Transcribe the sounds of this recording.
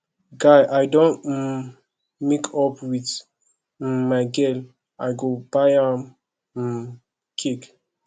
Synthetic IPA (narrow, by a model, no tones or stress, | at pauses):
ɡajʔajdõnt | mikʰɔpwit | maɪɡɛl | aɪɡobajãm̩ | kʰik